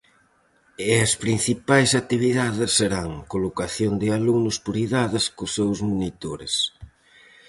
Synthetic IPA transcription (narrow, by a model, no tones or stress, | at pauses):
eɐspɾin̟θipajsat̪iβiðaðɪsːeɾaŋkolokaθjond̪ɪalunʊspoɾiðaðɪskʊsːewzmunit̪oɾɪ̰s